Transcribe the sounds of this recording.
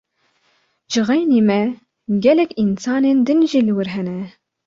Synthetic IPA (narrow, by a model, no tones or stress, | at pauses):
ʒɨɣɛjneːmɛ | ɡɛlɛkinsɑːneːnd̪ɨnʒiːlɨwɨɾɦɛnɛ